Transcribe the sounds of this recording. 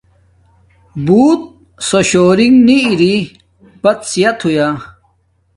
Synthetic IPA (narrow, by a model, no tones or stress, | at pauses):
buːt̪̚ | soɕoːɾiŋɡniːɾi | bɐt̪sijɐt̪ʰhuja